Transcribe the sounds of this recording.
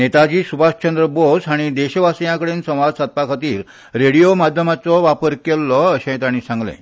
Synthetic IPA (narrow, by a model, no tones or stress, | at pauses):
net̪ad͡ʑiːsubaɕt͡ɕənd̪ɾəbosaɽ̃id̪eɕʋasjãkəɽeːnsə̃w̃ʋad̪sat̪̚pakʰat̪iːɾ | ɾeɽijomad̪ʱjəmat͡sɔʋapəɾkelːɔəɕẽt̪aɽ̃iːsãŋɡlḛ̃